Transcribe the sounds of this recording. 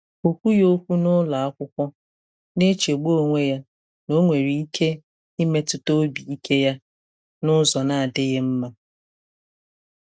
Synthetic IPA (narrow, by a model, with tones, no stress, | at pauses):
o˨kʷu˦jo˦kʷu˦nʊ˦la˨a˦kʷʊ˦kʷɔ˦ | ne˦t͡ʃe˨ɡ͡bo˦˨ŋʷe˦ja˦ | no˦ŋʷe˨ɾi˨i˦kʰe˦ | i˦me˦tʊ˦to˦bi˨i˦kʰe˦ja˦ | nʊ˦zɔ˨na˨a˨dɪ˦ɣɪ˦m̩˦ma˦